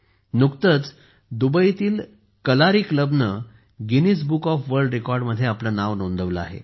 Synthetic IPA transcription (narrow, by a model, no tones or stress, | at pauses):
nukt̪ət͡s | d̪ubəit̪iːl | kəlaɾiːkləbnə | ɡinis̬bukɔfʋəɾɖɾekɔɾɖməd̪ʱːjeaplanaʋnond̪ʱəʋləa̰ɦḛ